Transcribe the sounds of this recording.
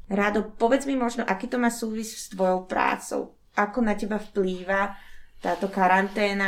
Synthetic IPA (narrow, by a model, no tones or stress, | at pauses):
ɾad̪ɔpɔʋɛd͡zmimɔʒnɔʔakiːt̪ɔmaːsuːʋisst̪ʋɔjɔʊpɾa̰ːt͡sɔ̰ʊ | ʔakɔnacɛbafpliːʋat̪aːt̪ɔkaɾant̪ɛːna